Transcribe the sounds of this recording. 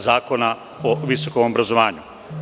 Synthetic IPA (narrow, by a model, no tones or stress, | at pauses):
zaːkona | oʋiso̞komobɾazoʋaːɲu